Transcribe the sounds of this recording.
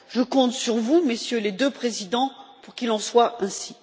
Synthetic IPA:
ʒəkɔ̃t̪syʁvumesjøled̪øpχezid̪ɑ̃puʁkilɑ̃swaʔɛ̃si̥

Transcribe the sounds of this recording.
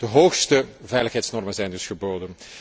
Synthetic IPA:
d̥əɦoːxstəvɛjləxɦɛjtsnɔrmənzɛjndɵsxəboːdən

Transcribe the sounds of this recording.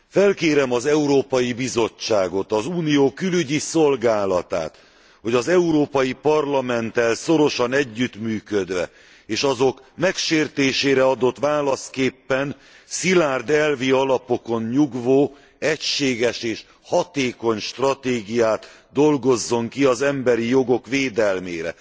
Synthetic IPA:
fɛlkeːɾɛmɒzɛuɾoːpɒjibizo̞t͡ʃt͡ʃːaːɡo̞t̪ɒzuːnijoːkylyɟiso̞lɡaːlɒt̪a̰ːt̪ | ho̞ɟɒzɛuɾoːpɒjipɒrlɒmɛnt̪ɛlso̞ɾo̞ʃɒnɛɟːyt̪myːkød̪ʋɛ̰ | eːʃɒzo̞k | mɛkʃeːrt̪eːʃeːɾɛɒd̪o̞t̪ʋaːlɒskeːpːɛn | silaːrd̪ɛlviɒlɒpo̞ko̞ɲɲuɡvoː | ɛcʃeːɡɛʃeːʃ | hɒt̪eːko̞ɲʃt̪rɒt̪eːɡijaːt̪ | d̪o̞lɡo̞zːo̞ŋkiɒzɛmbɛɾijoɡo̞kʋeːd̪ɛlmḛːɾɛ̰

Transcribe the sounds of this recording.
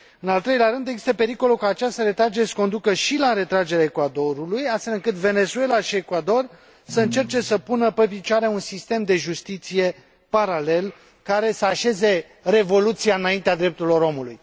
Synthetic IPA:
ɨnalt̪ɾejleaɾɨnd̪eɡzist̪əpe̞ɾiko̞lukəat͡ʃast̪əɾe̞t̪ɾad͡ʒe̞ɾesə̥kond̪ukəʃilaɾe̞t̪ɾad͡ʒe̞ɾaekwad̪o̞ɾulujast̪fe̞lɨŋkɨt̪ve̞ne̞zue̞laʃie̞kwad̪o̞r | səɨnt͡ʃe̞rt͡ʃe̞səpunəpep̬it͡ʃaɾeunsist̪e̞md̪e̞ʒust̪it̪sije̞ | paɾale̞l | kaɾe̞səaʃe̞ze̞ | re̞vo̞lut̪sijaɨnaint̪ead̪ɾe̞p̚t̪uɾilo̞ɾo̞muluj

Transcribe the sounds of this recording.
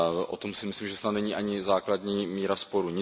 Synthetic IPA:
ʔo̰t̪o̞msɪmɪslimʒɛsnat̪nɛɲiːʔaɲɪzaːkladɲiːmiːɾaspo̞ɾuɲɪ

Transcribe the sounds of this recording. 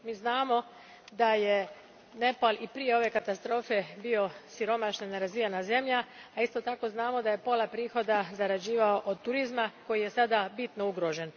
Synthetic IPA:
miːznaːmo̞ | d̪aje | ne̞palipɾijeo̞ʋe̞kat̪ast̪ɾo̞ːfe̞bio̞siɾo̞maʃnaneɾazianaze̞mʎaaist̪o̞t̪ako̞znaːmo̞d̪aje̞po̞lapɾiːxo̞d̪azaɾad͡ʑiːʋao̞ʔod̪̚t̪uɾizmako̞jije̞sad̪abit̪no̞uɡɾo̞ʒe̞n

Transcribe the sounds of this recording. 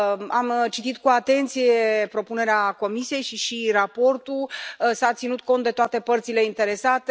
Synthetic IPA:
amt͡ʃit̪it̪kuat̪e̞nt̪sijepɾo̞pune̞ɾeako̞misije̞jʃiʃirapo̞rt̪usat̪sinut̪̚ko̞nt̪d̪et̪oat̪e̞pərt̪sile̞int̪e̞ɾe̞sat̪e

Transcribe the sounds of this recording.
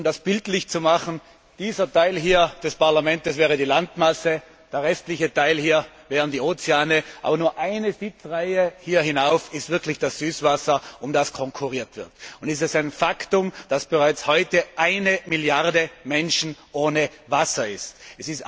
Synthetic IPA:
mdasb̥ɪltlɪçt͡sumaχn̩ | d̥iːzɐtʰaɪlɦiːɐd̥ɛspaɐlamɛntəsvɛːʁədiːlantmasə | d̥eːɐʁɛstlɪçətʰaɪlhiːɐ | vɛːʁəndiːoːt͡seaːnəʔa̰ːbɐnuːɐʔaɪnəzɪt͡sʁaɪəhiːɐhɪnaʊfɪstv̥ɪɐkʰlɪçd̥asz̥yːsv̥asɐʊmdaskʰɔŋkʰuʁiːɐtv̥ɪɐtʊntɛstɛsaɪnfaktʊmd̥asb̥əʁaɪt͡shɔʏtəʔaɪnəmiljaʁdəmɛnʃn̩ʔoːnəvasɐɪstɛsɪst

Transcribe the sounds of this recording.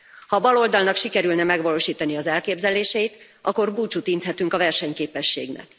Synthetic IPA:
hɒbɒlo̞ld̪ɒlnɒkʃikɛɾylnɛmɛɡʋɒloːʃiːt̪ɒniɒzɛlkeːbzɛleːʃɛjit̪ | ʔɒko̞rbuːt͡ʃut̪int̪hɛt̪yŋkɒvɛrʃɛɲkeːpɛʃːḛːɡnɛ̰k

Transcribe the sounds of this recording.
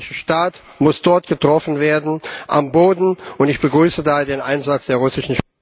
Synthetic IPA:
ɪʃəʃtaːt | mʊsd̥ɔɐtɡ̥ətʁ̥ɔfn̩veːɐdn̩ʔa̰mboːdn̩ʊntɪçb̥əɡʁyːsədaːɐdeːnʔaɪnzat͡sd̥eːɐʁʊsɪʃn̩ʃ

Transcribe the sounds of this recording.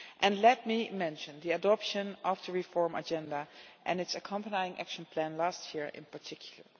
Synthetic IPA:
ʔɛ̃nlɛt̚mimɛ̃nʃə̃nðiɨdɔpʃə̃nɔvðəɹifɔɹmə̰d͡ʒɛ̃ndaʔɛ̃nɨtsəkʰʌ̃mpənajɪ̃ŋʔæ̰kʃə̃npʰlæ̃nlastʰjiɹɪ̰̃npəɹtʰɪkʰjl̩ˠə̰˞

